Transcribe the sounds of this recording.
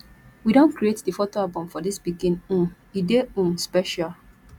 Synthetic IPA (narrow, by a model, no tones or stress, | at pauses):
widõnkɾietdifotoabɔ̃mfɔdisbiɡĩnũ | ideũspɛʃal